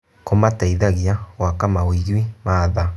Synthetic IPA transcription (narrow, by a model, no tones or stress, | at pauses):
komataiðaɣiawakamawiɣwimaːða